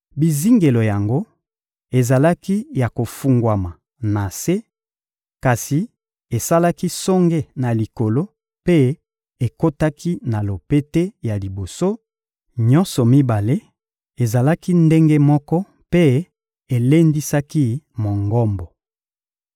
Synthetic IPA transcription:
bi˨zi˦ŋɡe˨lo˨ja˨ŋɡo˦ | e˨za˨la˦ki˦ja˨ko˨fu˨ŋɡwa˨ma˨ | na˨se˦ | ka˨si˨ | e˨sa˦la˦ki˦sɔ˦ŋɡe˦na˨li˨ko˨lo˦ | pe˦ | e˨ko˦ta˦kʰi˦na˨lo˨pe˦te˦ja˨li˨bo˨so˦ | ɲɔ˦nsɔ˨mi˦ba˨le˦ | e˨za˨la˦ki˦nde˦ŋɡe˦mɔ˦kɔ˦ | pe˦ | e˨le˦ndi˦sa˦ki˦mo˨ŋɡɔ˦mbɔ˨

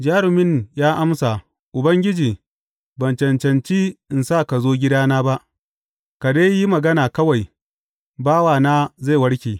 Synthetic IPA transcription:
d͡ʒaː˦ɾɪ˨mɪ˦njaː˦ʔa˦msa˨ | ʔʊ˨bɐ˦ŋɡʲɪ˦d͡ʒiː˨ | bɐ˨nt͡ʃɐ˨nt͡ʃɐ˨nt͡ʃiː˦ʔɪ˨nsa˦˨ka˨zoː˦ɡʲɪ˦daː˦naː˦ba˦ʔ | ka˨da˦ji˦mɐ˨ɡɐ˦naː˨kɐ˦wa˨j | baː˦waː˨naː˦za˦˨wɐ˦ɽkʲeː˨

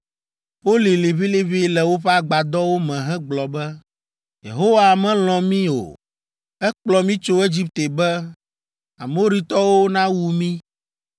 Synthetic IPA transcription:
ɸo˦li˨le˨βi˦le˨βi˦lɛ˨wo˦ɸɛ˦a˦ɡ͡ba˨d̪ɔ˦wo˦mɛ̃˨ɦɛ̃˦ɡ͡blɔ˨bɛ˦ | jḛ˨ɦo˦wa˨mɛ̃˦l̃ɔ̃˨mĩ˦o̰˨ | ɛ˦k͡plɔ˨mĩ˦t͡ʃo˦e˦d͡ʑi˦p̚t̪e˨bɛ˦ | a˨mo˦ɾi˦t̪ɔ˦wo˦nã˦wu˨mĩ˦

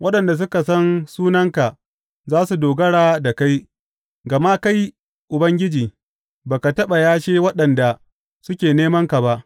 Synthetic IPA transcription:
wʔɐ˦ɗɐ˨nda˨s̬ʊ˦ka˨sɐ˦nsuː˦nɐ˦ŋka˨ | zaː˦su˨doː˨ɡɐ˦ɽaː˦da˨ka˦j | ɡɐ˨ma˦ka˦j | ʔʊ˨bɐ˦ŋɡʲɪ˦d͡ʒiː˨ | baː˨ka˨tɐ˦ɓa˨jaː˦ʃeː˦wɐ˦ɗɐ˨nda˨ | sʊ˦kʲeː˨neː˦mɐ˦ŋka˨ba˦ʔ

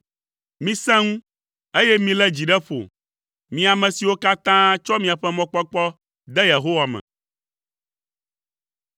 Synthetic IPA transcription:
mĩ˦sɛ̃˦ŋũ˦ | e˦jɛ˦mĩ˦lɛ˦d͡ʑi˨ɖɛ˦ɸo̰˨ | mĩ˦a˨mɛ̃˨si˨wo˦ka˦t̪ã˦t͡ʃɔ˦mĩ˨a˨ɸɛ˦mɔ̃˦k͡pɔ˦k͡pɔ˦ | d̪ɛ˦je˨ɦo˦wa˨mɛ̰̃˨

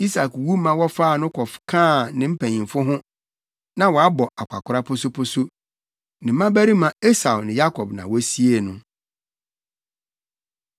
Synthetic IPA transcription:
i˦sa˨kwu˦mã˨wɔ˦faː˦˨nʊ̃˦kʰɔ˨fkʰãː˦˨nɪ̃˦m̩˦pʰæ̃˨ɲĩ˨fʊ˦ɦʊ̃˦ | nã˦˨wɔ˨a˦bɔ˨a˨kʷʰa˨kʰʷʊ˨ɾa˦pʰʊ˦sʊ˦pʰʊ˦sʊ˦ | nɪ̃˨˦mã˦bæ˦ɾi˦mã˨e˦sa˨wnɪ̃˨ja˦kʰɔ˨bnã˨wɔ˦si˦e˨nʊ̃˨

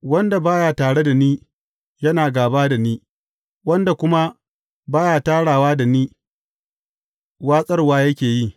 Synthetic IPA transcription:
wɐ˦nda˨baː˦jaː˨taː˨ɽe˦da˨niː˦ | jɐ˦naː˨ɡaː˨baː˦da˨niː˦ | wɐ˦nda˨kʷʊ˦ma˦ | baː˦jaː˨taː˦ɽaː˨waː˦da˨niː˦ | waː˦sʼɐ˦rwaː˦jɐ˦kʲeː˨ji˦˨

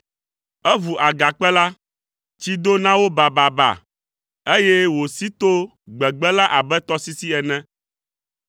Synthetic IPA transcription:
ɛ˦vu˨ʔa˨ɡa˨k͡pɛ˦la˦ | t͡ɕi˦d̪o˦nã˦wo˦ba˨ba˨ba̰˨ | e˦je˦wo˨si˦t̪o˦ | ɡ͡bɛ˨ɡ͡bɛ˦la˦ʔa˨bɛ˦t̪ɔ˦si˦si˦ɛ˨nɛ̃˦

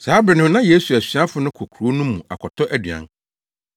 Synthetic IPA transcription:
saː˨˦bɾɪ˨nʊ̃˨˦nã˦je˦su˨æ˨ɕɥa˦fʊ˨nʊ̃˦kʰɔ˨kʰu˨ɾo˦nũ˦mːũ˨a̰˨kʰɔ˨tʰɔ˦ʔæ˦dɥã̰˨n

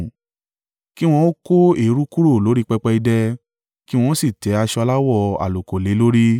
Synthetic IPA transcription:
ki˦w̃ɔ̃˧˦o˦ko˦e˨˦ɾu˦ku˦ɾo˦˨lo˨˦ɾi˦k͡pɛ˧k͡pɛ˧i˧dɛ˧ | ki˦w̃ɔ̃˧˦si˦˨tɛ˨˦a˧ʃɔ˧la˦wɔ˦˨a̰˨lo˨ko˨le˨˦lo˦ɾi˦

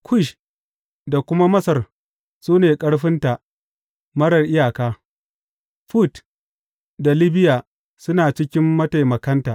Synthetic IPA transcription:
kʰʷʊ˦˨ʃ | da˨kʷʊ˦ma˦mɐ˦sɐ˨r | suː˦neː˨kʼɐ˦ɽɸɪ˦nta˨ʔ | mɐ˦ɽɐ˨rʔɪ˦jaː˨kaː˦ | ɸu˦˨t | da˨lɪ˦bɪ˦jaː˨ | sʊ˦naː˨t͡ʃɪ˦kʲɪ˦mːɐ˦ta˨jmɐ˨kɐ˦ntaː˨ʔ

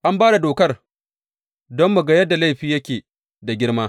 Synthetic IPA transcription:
ʔa˦mbaː˦da˨doː˨kɐ˦r | dɔ˦mːu˨ɡa˦jɐ˦dːa˨la˦jɸiː˨jɐ˦kʲeː˨ | da˨ɡʲɪ˦ɽmaː˦

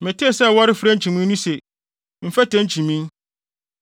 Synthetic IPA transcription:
mɛ̃˨tʰi˦e˨sɛ˦˨wɔ˦ɾɪ˦fɾɛ˦n̩˦t͡ɕʰĩ˨mĩ˦nũ˦se˨ | m̩˨fɛ˦tɛ̃˦n̩˦t͡ɕʰĩ˨mĩ˦n

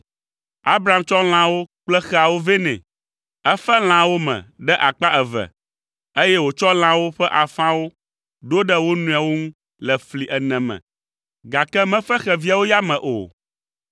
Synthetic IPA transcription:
a˦bɾa˨˦˨mt͡ʃɔ˦l̃ã˦wo˦k͡plɛ˦xɛ˦a˨wo˦vɛ˦nɛ̰̃˨ | ɛ˦fɛ˦l̃ã˨wo˦mɛ̰̃˨ɖɛ˦ʔa˨k͡pa˦ɛ˨vɛ̰˨ | e˦jɛ˦wo˨t͡ʃɔ˦l̃ã˦wo˦ɸɛ˦ʔa˨fã˦wo˦ | ɖo˦ɖɛ˦wo˦nũ˨a˨wo˦ŋũ˦ | lɛ˨fli˨ʔɛ˨nɛ̃˨mɛ̰̃˨ | ɡa˨kɛ˦mɛ̃˦fɛ˦xɛ˨vi˦a˨wo˦ja˦mɛ̃˨ʔo̰˨

